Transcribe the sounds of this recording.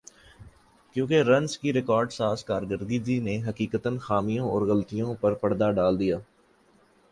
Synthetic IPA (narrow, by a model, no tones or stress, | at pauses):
kjõːkeɾɐnskiɾɪkɔːɾɖsaːskaːɾɡəɾd̪id͡ʒineɦɐkiːkət̪ənxaːmijõɔːɾɣəlt̪ijõpɐɾpɐɽd̪aɖaːld̪ijaː